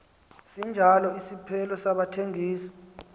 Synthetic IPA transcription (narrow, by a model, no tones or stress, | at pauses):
sind͡ʒʱalɔisipʰɛlɔsaɓatʰeŋʱiːsɔ̥